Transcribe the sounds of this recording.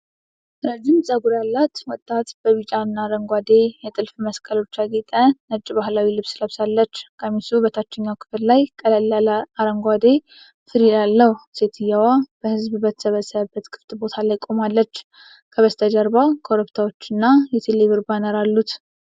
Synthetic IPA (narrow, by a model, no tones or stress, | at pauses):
ɾəd͡ʒɪmsʼəɡuɾalːat̪wɔt̪ʼːat̪b̥əβit͡ʃʼanːaɾəŋɡʷad̪e̞jɛt̪ʼɨlfməskʼəlo̞t͡ʃːaɡet̪ʼənət͡ʃʼːibahlawilɨβsləβsalːət͡ʃːkʰʼamisubət̪ʰat͡ʃːɛɲːawkʰɨ̥fɨllajkʼələlalaɾəŋɡʷad̪e̞ | fɨɾilalːəhuse̞t̪ʰɨjːawab̥əhɨzbbət̪ʰə̥səβəsːəβəbːət̪kʰɨ̥ft̪ʼbo̞t̪ʰalajkʼo̞malːət͡ʃː | kʰəβəst̪ʰəd͡ʒəɾbakʰoɾəpt̪ʰawot͡ʃːɨnːajɛt̪ʰeleβɨɾbanəɾalːut̪